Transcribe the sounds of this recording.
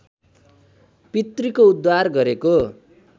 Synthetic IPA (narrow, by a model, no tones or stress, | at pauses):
pit̪rikoud̪warɡʌɾeko